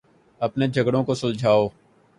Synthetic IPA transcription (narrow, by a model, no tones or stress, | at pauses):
əpneːd͡ʒʱəɡɽõːkoːsə̃ld͡ʒʱaːoː